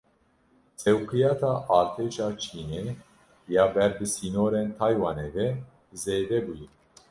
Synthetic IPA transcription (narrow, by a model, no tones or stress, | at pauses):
t͡sʼɛwkɨjɑːt̪ʰaːʔaːɾt̪ʰeːʃaːt͡ʃʰiːneː | jaːbɛɾd̪ɨsiːnoːɾeːnt̪ʰaːjwaːneːvɛ | zeːd̪ɛbujɛ